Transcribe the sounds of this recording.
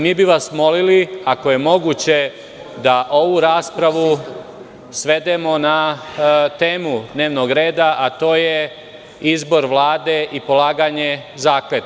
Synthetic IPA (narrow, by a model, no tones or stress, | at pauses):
miːbiʋasmo̞liliakoje̞mo̞ɡuːt͡ɕe̞ | d̪aʔo̞ʋuɾaːspɾaʋu | sʋe̞d̪e̞mo̞na | t̪e̞ːmud̪ne̞ːʋno̞ɡɾe̞ːd̪aʔat̪o̞ːje | izbo̞ɾʋlˠaːd̪e̞ʔipo̞laːɡaɲe̞zaːklet̪